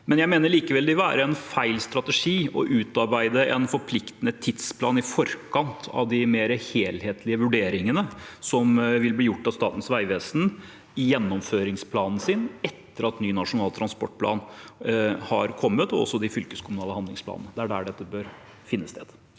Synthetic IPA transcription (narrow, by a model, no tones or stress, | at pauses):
mɛnjæɪmeːnəɭiːkəʋɛld̪ɪʋæːɾəɛnfæɪlst̪ɾɑt̪əʂiːɔ̰ʔʉːt̪ɑɾbæɪd̪əʔɛnfɔɾpʰlɪkt̪ənət̪ʰɪd̪spʰlɑːnɪfɔɾkʰɑnt̪ɑ̰ʋd̪ɪmeːɾəheːlheːt̪ʰlɪəʋʉɖeːɾɪŋənəsɔmʋɪlbliːjʊʈːɑst̪ɑːt̪n̩sʋæɪʋeːsən | ɪjɛnːɔmføːɾɪŋspʰlɑːnn̩sɪnɛt̪ːəɾɑt̪nyːnɑʂʊnɑːlt̪ʰɾɑnspɔʈːpʰlɑ̰ːn | hɑɾkʰɔmːət̪ɔɔ̰sːɔd̪ɪfʏlkəskʰʊmʉnɑːləhɑnd̪ɪ̰ŋsplɑ̰ːnənəd̪ɛæɖæ̰ːɖɛt̪ːəbøːɾ | fɪnːəst̪eːd̪̥